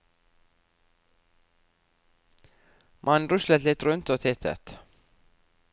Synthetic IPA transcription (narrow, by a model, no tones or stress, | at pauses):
mʔɑnɾʉʃlət̪lɪt̪ɾʉnt̪oːt̪ʰɪt̪ʰə̰t̪